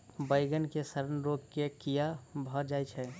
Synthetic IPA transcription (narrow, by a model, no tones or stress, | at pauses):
bəɪɡənkesəɾənɾoɡkekijabʱɔd͡ʒajt͡ʃʰɛ